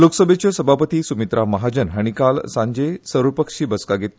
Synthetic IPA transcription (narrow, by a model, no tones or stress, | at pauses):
loksəbʱet͡ɕəsəbʱapət̪iːsumit̪ɾʔaməɦad͡ʑənɦaɽ̃ikalsãɲd͡ʑesəɾʋəpəkʂiːbəskaɡʱet̪